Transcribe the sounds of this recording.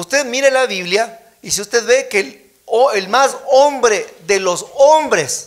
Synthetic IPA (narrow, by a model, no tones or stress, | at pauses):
ust̪eðmiɾelaβiβlja | isiust̪eðβe̞kel | oelmasombɾeðelo̞sombɾe̞s